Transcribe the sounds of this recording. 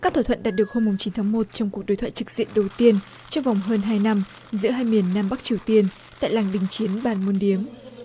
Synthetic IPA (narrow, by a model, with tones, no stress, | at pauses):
kaː˦˥k̚t̪ʰaː˧˩t̪ʰə̰˧˨nɗaː˨˩t̚ɗɨ˨˩ək̚ho˧mːʊ˨˩ŋ͡mt͡ɕi˨˦nt̪ʰaː˨˦ŋmo˨˩t̚t͡ɕɔ˧wŋ͡mku˨˩ək̚ɗo˨˦jt̪ʰa̰ː˧˨t͡ɕɨ˨˩k̚zḭ˧˨ənɗə˨˩wt̪i˧ən | t͡ɕɔ˧wŋ͡mva˨˩wŋ͡mɦəː˧nɦaː˧jna˧m | zɨ̰˧˥əɦaː˧jmi˨˩ənːaː˧mɓa˦˥k̚t͡ɕi˨˩əwt̪i˧ən | t̪a̰ː˧˨jlaː˨˩ŋɗï˨˩ŋ̟t͡ɕi˨˦ənɓaː˨˩nmu˧nɗi˨˦əm